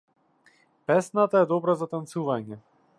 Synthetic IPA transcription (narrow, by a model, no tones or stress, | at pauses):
pɛsnat̪aɛd̪ɔbɾazat̪ant̪suvaɲɛ